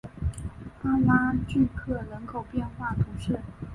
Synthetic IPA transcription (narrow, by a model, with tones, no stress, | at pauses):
a˥la˥t͡ɕy˥˧kʰɤ˥˩lə˧˥ŋkʰo˨˩ʊpjɛ˥˧nxwa˥˩t̪ʰu˧˥ʂɻ̩˥˩